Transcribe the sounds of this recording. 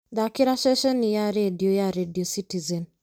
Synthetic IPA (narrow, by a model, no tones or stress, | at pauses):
d̪akiɾaʃɛʃɛnijaɾediojaɾediositizɛn